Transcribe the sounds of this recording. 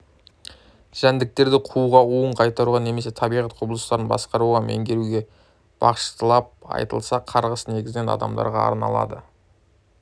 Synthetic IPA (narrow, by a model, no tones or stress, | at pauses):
ʒ̥ænd̪ɪk̚t̪e̞ɾd̪ɪqʰuʁɑuəɴqʰɑjt̪ɑɾuʁɑne̞me̞se̞t̪ʰɑbijʁɑt̪qʰʊblˠəst̪ɑɾənbɑ̰sqɑɾuʁɑmʔḛŋɡʲe̞ɾuɡʲe̞ | b̥ɑ̰qʃə̥t̪əlˠɑp̚ɑ̰jt̪ə̰lˠsɑqʰɑɾʁəsəne̞ɡʲɪzɪne̞nɑ̰d̪ɑ̰md̪ɑ̰ɾʁɑ̰ɑ̰ɾnɑ̰lˠɑ̰d̪ə